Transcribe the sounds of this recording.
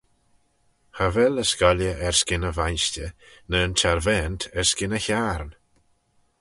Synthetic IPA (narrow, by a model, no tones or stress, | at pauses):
havɛləskɔljəʔɛɹskɪnəvajnstənənt͡ʃʰaɾvɛːntʰɛɹskɪnəçaɾn